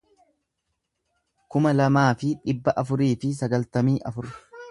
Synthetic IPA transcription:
kʊmɐlɐmaːfɪᶑɪbːɐʔɐfʊɾiːfɪs̬ɐɡɐlt̪ɐmiːʔɐfʊɾ

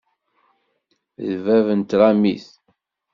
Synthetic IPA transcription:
ðvævənt̪ɾˤamiθ

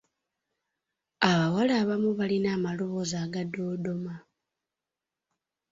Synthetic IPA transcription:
aβawalaːβamuβalinaːmalo̞βo̞zaːɡado̞ːdo̞ma

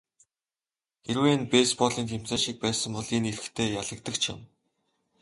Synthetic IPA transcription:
xeɾweːnpespɔɮiːnxʰem̥t͡seːʃik̚pæːsə̆mpɔɮiːnerɘ̆xt̪ʰeːjaɮə̆kt̪ə̆kt͡ɕʰɪ̰̆m

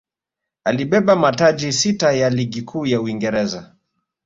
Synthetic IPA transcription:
aliɓɛɓamatad͡ʒisitajaliɠikʰuːjauiŋɡɛɾɛza

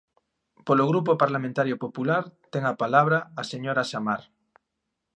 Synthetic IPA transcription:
poloɣ̞ɾupopaɾlamẽnt̪aɾjopopulaɾt̪eŋapalaβ̞ɾaːseɲoɾaʃamaɾ

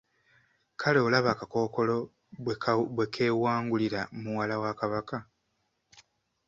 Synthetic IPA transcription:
kʰaleolaβaːkako̞ːko̞lo̞ | βwe̞kʰe̞ːwaːŋɡuliɾamuwalawakaβaka

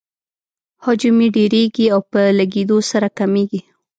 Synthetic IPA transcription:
hɑd͡ʒʊmiɖeɾeɡiawpəlaɡed̪osaɾakameɡi

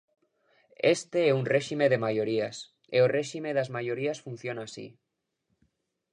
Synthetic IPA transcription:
est̪eeunreʃimeðemajoɾias | ḛoreʃimeðazmaʝoɾiasfun̟θjonaːsḭ

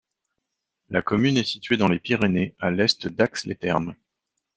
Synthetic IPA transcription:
lakɔmynɛsit̪ɥed̪ɑ̃lepiʁenealɛst̪d̪akslet̪ɛʁm

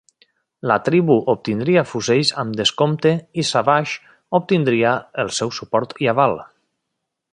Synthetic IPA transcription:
lat̪ɾiβuʔop̚t̪ind̪ɾiafuzeʎzamd̪əskomt̪eisaβaʃ | op̚t̪ind̪ɾiaəlˠsɛwsupɔɾt̪iaβal

